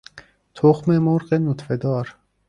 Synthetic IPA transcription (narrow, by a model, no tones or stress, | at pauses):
t̪ʰoxmemoɾɢenut̪fed̪ɑːɾ